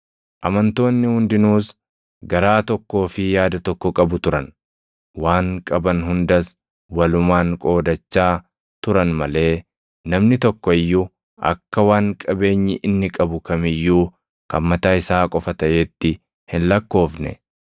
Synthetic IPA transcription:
ʔɐmɐnt̪o̞ːnːɪhʊnd̪ɪnuːs | ɡɐɾaːt̪ɔkːo̞ːfɪjaːd̪ɐt̪ɔkːɔkʼɐbʊt̪ʊɾɐn | waːŋkʼɐbɐnɦʊnd̪ɐs | wɐlʊmaːŋkʼo̞ːd̪ɐt͡ʃːaː | t̪ʊɾɐnmɐle̞ː | nɐmnɪt̪ɔkːɔɪjːu | ʔɐ̰kːɐwaːŋkʼɐbe̞ːɲːɪʔɪnːɪkʼɐbʊkɐmɪjːuː | kɐmmːɐt̪aːɪsaːkʼɔfɐt̪ɐʔeːt̪ːɪ | hɪnlɐkːo̞ːfnɛ̰

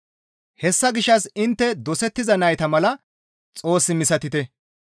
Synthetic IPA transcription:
hɛsːɐɡɪʃːɐsɪnt̪ːɛd̪ɔsɛt̪ːɪzɐnɐjt̪ɐmɐlɐ | t͡sʼo̞ːsːɪmɪsɐt̪ɪt̪ɛ

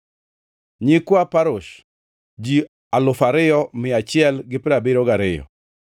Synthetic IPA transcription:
ɲɪkwapaɾʊʃ | d͡ʒi | alʊfaɾɪjɔmɪat͡ʃɪɛlɡɪpɪɾabɪɾɔɡaɾɪjɔ̰

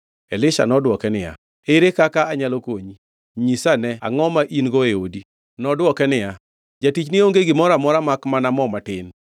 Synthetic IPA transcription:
elɪʃa̰nɔdwɔkɛnɪja̰ | eɾekakaːɲalokoɲi | ɲisanɛa̰ŋɔmaʔinɡɔeodi | nɔdwɔkɛnɪja | d͡ʒatit͡ʃnɪoŋɡeɡɪmɔɾamɔɾamakmanamɔmatɪn

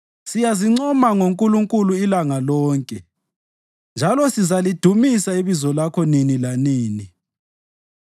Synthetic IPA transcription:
sijaziŋ͡ǀɔmaŋoŋkʼuluŋkʼuluilaŋalɔːŋkʼɛ | nd͡ʒʱalɔsizalid̥ʱumisaiβizɔlakʰɔninilaniːni

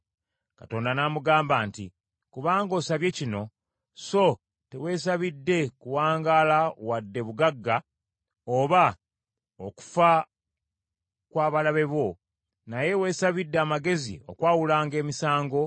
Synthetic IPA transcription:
kato̞ːndanaːmuɡaːmbaːntḭ | kuβaːŋɡo̞ːsaβje̞cino̞ | so̞ | tewe̞saβidːe̞kuwaːŋɡalawadːe̞βuɡaɡːa | oβa | oku̥fa | kwaːβalaβe̞βo̞ | naje̞we̞ːsaβidːeaːmaɡe̞zḭo̞̰kwaːwulaːŋɡe̞ːmisaːŋɡo̞

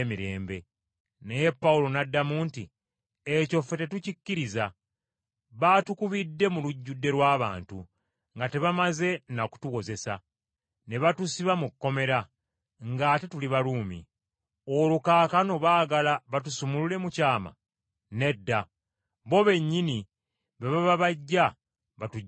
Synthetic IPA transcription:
miɾe̞ːmbe̞ | ne̞je̞pːawulo̞nadːamuːnti | eco̞fete̞tucicːiɾiza | βatukuβidːe̞muluɟːudːe̞ɾwaːβa̰ːntu | ŋɡate̞βamaze̞naku̥tuko̞ze̞sa̰ | ne̞βatusiβamukːo̞me̞ɾa | ŋɡaːte̞tuliβaluːmḭ | o̞lukaːkano̞βaːɡalaβatusumulule̞mucaːma̰ | ne̞dːa | βo̞βe̞ɲːini | βeβaβaβaɟːa | βatu

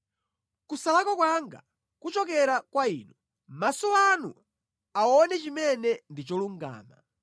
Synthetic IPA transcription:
kusalakɔkwaŋɡa̰ | kut͡ʃɔk̬ɛɾakwaiːnu | masɔanṵ | aɔnɛt͡ʃimɛnɛndit͡ʃɔluŋɡa̰ːma̰

